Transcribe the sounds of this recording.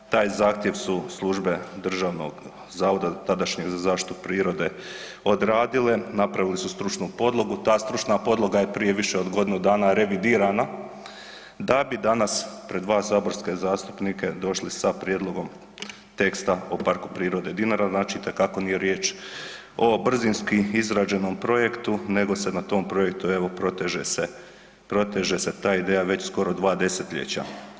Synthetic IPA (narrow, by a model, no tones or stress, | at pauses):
t̪aːjzaːxt̪je̞ʋsuslˠuʒbe̞d̪r̩ʒaːʋno̞̰ɡ | zaːʋo̞d̪at̪ad̪aʃɲeɡzazaːʃt̪i̥t̪upɾiːɾo̞d̪e̞ | o̞d̪ɾaːd̪ile̞napɾaʋilisust̪ɾut͡ʃnupo̞d̪lˠo̞ɡut̪aːst̪ɾut͡ʃnapo̞d̪lˠo̞ɡaje̞pɾije̞ʋiʃe̞o̞d̪ɡo̞d̪inud̪aːnaɾe̞ʋid̪iːɾana | d̪abid̪anaspɾe̞d̪ʋaːsaːbo̞ɾskezaːst̪u̥pnike̞d̪o̞ʃlisapɾje̞d̪lˠo̞ɡo̞m | t̪e̞kst̪ao̞paɾku̥pɾiːɾo̞d̪ed̪inaɾaznaːt͡ʃiit̪e̞kako̞nije̞ɾje̞ːt͡ʃ | o̞br̩zinskiizɾaːd͡ʒe̞no̞mpɾo̞je̞kt̪une̞ɡo̞se̞nat̪o̞ːmpɾo̞jek̚t̪ueʋo̞pɾot̪eʒese | pɾo̞t̪eʒese̞t̪aːid̪eːjaʋe̞t͡ɕsko̞ɾod̪ʋaːd̪e̞set̪ʎḛt͡ɕa̰